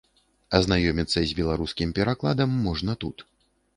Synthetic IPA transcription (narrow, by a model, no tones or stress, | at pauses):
ɐznajɔmʲit̪sːɐzʲbʲɛlˠaɾuskʲimpʲɛɾaklˠad̪ɐmːɔʐnɐt̪ut̪